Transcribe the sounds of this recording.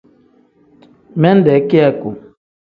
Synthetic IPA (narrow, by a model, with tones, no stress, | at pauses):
mɛ˦ndɛ˨˦kjɛ˦˨ku˨